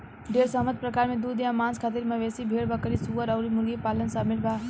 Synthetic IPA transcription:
ɖeɾsəɦmət̪̚pɾəkaɾmed̪ud̪jãmãnskʰat̪iɾməʋesibʱeɽbəkəɾisuəɾəʊɾimulɡipalənsəbmilba

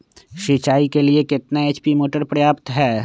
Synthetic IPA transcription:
ʃit͡ʃaːikeliekɪt̪naeːt͡ʃpimoːʈəɾpɾɐjaːpt̪ɦɛː

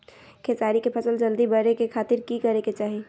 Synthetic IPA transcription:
kʰeːsaːɾikepʰɐsəld͡ʒɐld̪ibɐɾekekʰaːt̪ɪɾkikɐɾeket͡ʃaːɦie

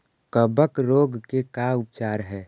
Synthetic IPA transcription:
kəbəkɾoːɡkekaʊp̚t͡ʃaːɾɦɛː

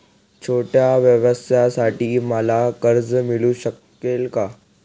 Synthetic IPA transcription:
t͡ɕʰoːʈjaʋjəʋəsjasaʈʰiməlakəɾd͡zmiluɕəkːelka

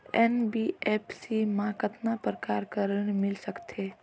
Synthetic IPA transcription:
ɛnbiɛːpʰsimãkət̪napɾəkaːɾkəɾənmɪlsəkt̪ʰeː

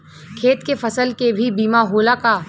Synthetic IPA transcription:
kʰeːt̪kefɐsəlkebʱibiːmaɦoːlakaː

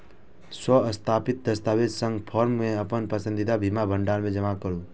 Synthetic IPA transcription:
swəəst̪ʰapɪt̪̚d̪əst̪aːwed͡ʒsə̃ŋɡpʰɔɾmːẽəpənpəsə̃nd̪id̪abʱimabʱə̃ɳɖaːɾmẽd͡ʒəmakəɾũ

